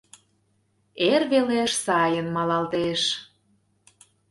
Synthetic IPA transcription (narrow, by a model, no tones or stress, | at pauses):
erβeleʃsɑjənmɑlɑlt̪eʃ